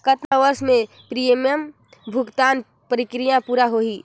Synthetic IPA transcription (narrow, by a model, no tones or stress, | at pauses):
kət̪naʋəɾsmẽ | pɾijeməm | bʱʊɡt̪aːn | pəɾikɾijãpuɾaɦoɦi